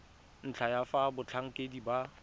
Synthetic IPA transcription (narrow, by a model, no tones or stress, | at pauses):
n̩t͡ɬʰajafabʊt͡ɬʰaŋ̩kʼediba